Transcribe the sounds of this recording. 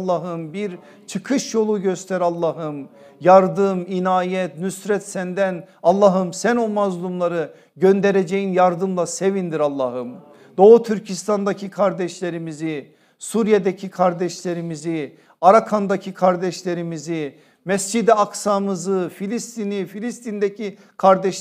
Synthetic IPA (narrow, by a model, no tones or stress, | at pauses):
lˠːaɦɯmbiɾ | t͡ʃʰɯkʰɯʃjo̞lˠuɟøst̪ʰæɾalˠːaɦɯmjaɾd̪ɯminaːjɛt̪nysɾɛt̪sænd̪ænalˠːaɦɯmsænomazlˠumlˠaɾɯ | ɟønd̪eɾed͡ʒejinjaɾd̪ɯmlˠase̞vind̪iɾalˠːaɦɯm | d̪̥o̞ːut̪ʰyɾcʰist̪ʰand̪acʰikʰaɾd̪ɛʃlʲe̞ɾimizi | suɾijed̪ecʰikʰaɾd̪ɛʃlʲe̞ɾimizi | aɾakʰand̪acʰikʰaɾd̪ɛʃlʲe̞ɾimizi | mɛsd͡ʒid̪ɛaksamɯzɯfilʲist̪ʰinifilʲist̪ʰind̪ecʰi | kʰaɾd̪ɛʃ